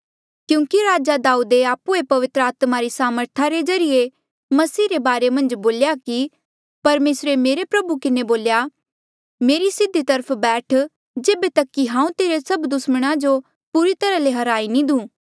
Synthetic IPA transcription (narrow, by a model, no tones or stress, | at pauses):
kjũːkiɾaːd͡ʒad̪aːuːd̪eaːpuepɐʋɪt̪ɾəaːt̪maɾisaːməɾt̪ʰaɾed͡ʒɐɾije | mɐsiːɾebaːɾemɐ̃nd͡ʒboːljaki | pɐɾmeːsɾemeːɾepɾɐbukɪneboːlja | meːɾisɪd̪ʱːit̪ɐɾəpʰbɛːʈʰ | d͡ʒeːbet̪ɐkːiɦãːũt̪eːɾesɐbd̪ʊsməɽ̃ad͡ʒo | puːɾit̪ɐɾaleɦɐɾaːinĩd̪ũː